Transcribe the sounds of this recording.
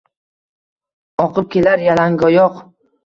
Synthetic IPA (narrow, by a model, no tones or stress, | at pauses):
ɒqʰɨp̚kʲʰe̞laɾjalaŋɡɒjɒq